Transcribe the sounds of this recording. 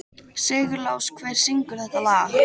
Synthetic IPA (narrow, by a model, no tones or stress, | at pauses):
sɛːɣʏɾlaːwskʰvɛːɾ̥siŋkʏɾ̥θɛht̪alaː